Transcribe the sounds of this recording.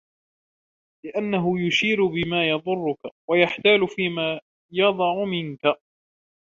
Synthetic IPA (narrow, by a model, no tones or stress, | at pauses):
lɪʔanːaɦʊjʊʃiːɾʊbɪmaːjɑðˤʊrˤːʊkawajaħt̪aːlʊfiːmaː | jɑd̪ˤɑʕʊmɪnka